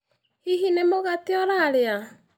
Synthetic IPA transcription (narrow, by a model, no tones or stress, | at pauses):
iɦinemoɣateɔɾaɾea